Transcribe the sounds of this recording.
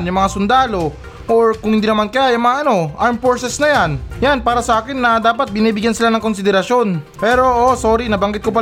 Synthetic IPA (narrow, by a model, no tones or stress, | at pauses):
njʊŋmɐŋasʊnd̪aːlo̞ | ʔoɹkʊŋhɪnd̪iːnɐmankɐjajɐŋmɐŋaʔɐno̞ʔaɹmfoɹsɛsnɐjanjanpaːɾɐsɐʔaːkɪnːɐd̪aːpɐt̪̚bɪniːbɪɡjansɪlanɐŋko̞nsɪd̪ɛɾɐʃjo̞npɛːɾo̞ʔosoːɾinɐbɐŋɡɪt̪kopɐ